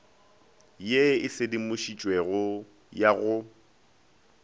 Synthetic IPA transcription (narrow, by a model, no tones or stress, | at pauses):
jeɪsɪdimʊʃit͡ʃʼweɣʊ | jaɣʊ